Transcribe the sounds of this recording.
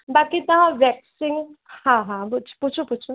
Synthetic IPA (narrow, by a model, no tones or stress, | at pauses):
bakit̪ɐɦãʋɛksiŋɡhãɦãbut͡ʃʰput͡ʃʰuput͡ʃʰu